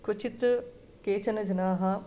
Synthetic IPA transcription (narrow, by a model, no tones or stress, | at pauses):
kʊt͡ʃʰit̪ | keːt͡ʃənəd͡ʒɐnaːɦã